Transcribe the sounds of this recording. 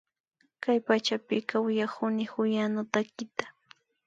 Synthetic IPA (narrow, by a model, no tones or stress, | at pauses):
kajpat͡ʃapɪkawɪjakʊnɪxʊjanʊt̪akɪt̪ḁ